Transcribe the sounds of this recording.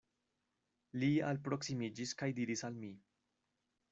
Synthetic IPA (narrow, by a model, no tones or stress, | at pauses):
lia̰lpɾo̞ksimid͡ʒiskajd̪iɾisalmi